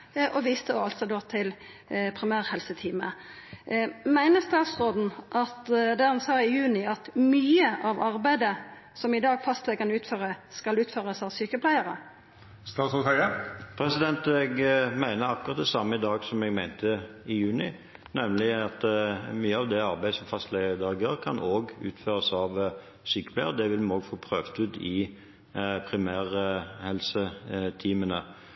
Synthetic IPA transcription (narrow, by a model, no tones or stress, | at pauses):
ʔɔʋiːst̪əoɑlt̪sɔd̪oːt̪ʰɪl | pʰʁɪmæːʁhɛlsət̪ʰiːmə | mæɪnəst̪ɑːt̪sʁoːd̪n̩ʔɑt̪d̪æʁɑnsɑːɪjʉːnɪɑt̪myːəʔɑʋɑʁbæɪd̪ə | sɔmɪd̪ɑːɡfɑst̪lɛɡkʰɑnʉːt̪føːʁəskɑlʉːt̪føːʁəsɑʋsyːkəpʰlæɪəʁə̰ | st̪ɑːt̪sɔhœəpʰɾɛsɪd̪ɛnt̪ɛɡmæɪnəɾɑkʊʁɑt̪̚d̪ɛsɑmːəɪd̪ɑːɡsɔmɛɡmæɪnt̪əɪjʉːnɪ | nɛmlɪɑt̪myːəɑʋd̪ɛɑɾbæɪəsɔmfɑst̪lɛɡəd̪ɑʁɡəʁkʰɑnoːɡʉ̰ːt̪føːʁəsɑʋ | syːkə̥pʰlæɪəʁəd̪ɛʋɪlmɑnoːɡfoːpʰʁøːʋt̪ʉd̪ɪ | pʰʁɪmæːʁhɛlsət̪ʰiːmənə